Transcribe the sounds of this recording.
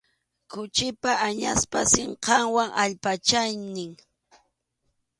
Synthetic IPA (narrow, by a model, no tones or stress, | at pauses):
kʊt͡ʃɪpaʔaɲaspasɪɴqɑŋwaŋʔaʎpat͡ʃajnɪŋ